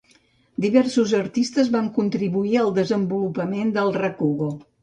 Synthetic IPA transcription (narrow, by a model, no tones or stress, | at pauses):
d̪iβɛrsuzəɾt̪ist̪əzβaŋkunt̪ɾiβuiəlˠd̪əzəmbulupəmend̪əlˠrəkuɣo